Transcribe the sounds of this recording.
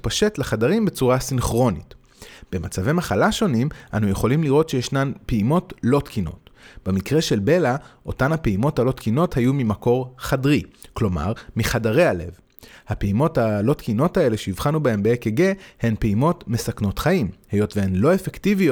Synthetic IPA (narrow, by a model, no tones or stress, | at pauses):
paʃe̞tleχadaʁimbe̞t͡suʁasinχʁo̞nit | b̥e̞mat͡savemaχalaʃo̞nimʔanuje̞χo̞limliʁo̞tʃe̞jeʃnanpeimo̞tlo̞tkʰino̞̰tb̥e̞mikʁe̞ʃe̞lbe̞laʔo̞tanhapeimo̞thalo̞tkino̞thajumimako̞ʁχadʁiklo̞ma̰ʁmiχadaʁe̞ale̞v | hapeimo̞talo̞tkino̞tae̞le̞ʃeiv̥χanubae̞mbeekeɡe̞he̞npeimo̞tme̞sakno̞tχaimhe̞jo̞tvehenlo̞e̞fektivijo